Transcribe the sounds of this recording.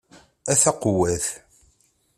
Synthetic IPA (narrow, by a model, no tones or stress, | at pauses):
æθæqʊwæθ